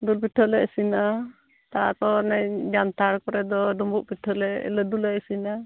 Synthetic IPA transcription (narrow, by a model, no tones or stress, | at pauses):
d̪ulpiʈʰəlɛəsina | t̪aakɔnaɲd͡ʒant̪aɾkɔɾɛd̪ɔdumbuʔpiʈʰɔlɛɛ̰ləd̪ulɛəsina